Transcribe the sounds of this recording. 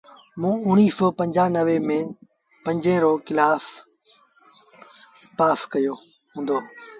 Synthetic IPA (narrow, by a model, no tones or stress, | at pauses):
mũːʊɽ̃iːsoːpə̃ɲd͡ʑaːnəʋemẽː | pɐ̃ɲd͡ʑẽːɾoːkɪlaːf | paːskəjoː | ɦũːnd̪oː